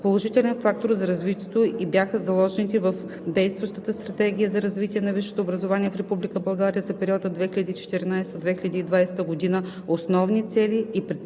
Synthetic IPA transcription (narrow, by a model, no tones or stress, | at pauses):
polˠoʒit̪ɛlʲɛnfak̚t̪oɾzɐɾɐzvit̪ʲiɛt̪oʔibjaxəzɐlˠɔʒɛnit̪ivəf | d̪ɛjst̪vɐʃt̪ət̪əst̪ɾɐt̪ɛɡʲijəzɐɾɐzvit̪iɛnɐviʃːɛ̥t̪oːbɾɐzovaniɛfɾɛpublikəbɐlˠɡaɾijəzɐpɛɾʲiɔd̪əd̪vɛxilʲɐd̪iːt͡ʃɛ̥t̪iɾinajsɛ̥t̪əd̪vɛxʲilʲɐd̪iːd̪vajsɛ̥t̪əɡod̪inə | osnɔvnit̪sɛliipɾɛ